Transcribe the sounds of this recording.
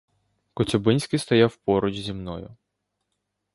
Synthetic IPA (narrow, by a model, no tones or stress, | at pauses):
kɔt͡sʲɔbɪnʲsʲkɪst̪ɔjawpɔɾʊd͡ʒzʲimnɔjʊ